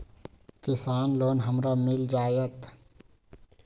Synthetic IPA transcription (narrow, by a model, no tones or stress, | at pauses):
kɪsaːnloːnɦəmɾamɪld͡ʒaːjət̪